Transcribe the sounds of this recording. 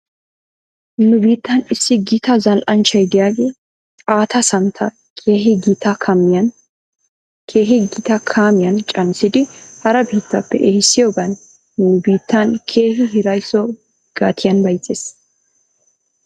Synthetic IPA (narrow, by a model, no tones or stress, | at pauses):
nːʊbiːt̪ːɐnɪsːɪɡit̪ɐzɐlʔɐnt͡ʃɐjd̪ɪjaːɡeː | aːt̪ʰɐsɐnt̪ʰːɐ | kʰʼeːɦɪɡit̪ɐkʰɐmːɪjɐn | kʰeːɦɪɡɪt̪ɐkʰaːmɪjɐnt͡ʃʼɐnsɪd̪ɪhɐɾɐbiːt̪ːɐpːɛʔeːhɪsːɪjɔbɐn | nːʊbiːt̪ːɐnkʰeːɦɪɦɪɾɐjsɔ | ɡ̥aːt̪ʰɪjɐnbɐjt͡sʼːeːs